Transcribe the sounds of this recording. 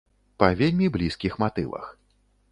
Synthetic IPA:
pɐvʲelʲmʲiblʲiskʲixmat̪ɨ̰vɐ̰x

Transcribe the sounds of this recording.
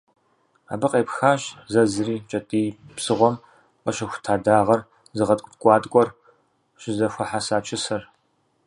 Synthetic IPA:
a̰ːbɨqʼeːpxaːɕzɐzɨriːt͡ʃʼɐtʼiːpsɨʁʷɔm | qɐʃɐxʷʊ̥tʰaːdaːʁɐr | zɨʁɐtʼkʷʼtkʷʼɑːtʼkʷʼɔr | ɕɪzɐxʷɐħasaːt͡ʃʰɪsɐr

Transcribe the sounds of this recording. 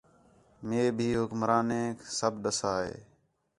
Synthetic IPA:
meːbʱiːɦʊkmɾaːnẽːksəbɗəsaːɦḛː

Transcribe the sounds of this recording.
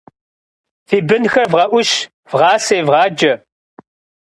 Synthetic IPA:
θibənxɐvʁɐʔʊʃ | vʁaːsɐjvʁɑːd͡ʒɐ

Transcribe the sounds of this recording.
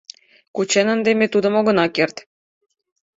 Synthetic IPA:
kut͡ɕenə̆nd̪emet̪ud̪ə̆moɣɤ̆nɑkert̪

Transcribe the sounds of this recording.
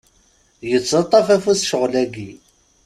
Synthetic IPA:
jət͡sːɑt̪ˤːɑfæfuθʃəʁlæɡi

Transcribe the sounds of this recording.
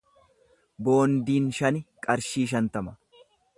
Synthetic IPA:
bo̞ːnd̪iːnʃɐnɪkʼɐɾʃiːʃ̬ɐnt̪ɐmɐ̥

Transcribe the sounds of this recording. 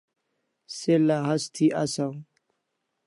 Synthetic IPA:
selaɦast̪ʰiʔasaw

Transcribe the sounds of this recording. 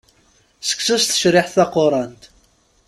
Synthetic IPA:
sə̥kːsæsθə̥ʃɾɪħθɑqːoɾˤɑnt̪

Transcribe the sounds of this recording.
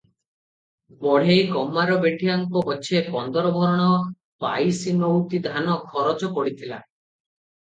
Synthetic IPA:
bɔɽ̤ejɡɔmːaɾɔbeʈʰijaŋkɔbɔt͡ʃʰepɔnd̪ɔɾɔbʱɔɾɔɽ̃ɔ | pa̰jsinowt̪id̪ʱanɔkʰɔɾɔt͡ʃɔkɔɽit̪ʰila̰

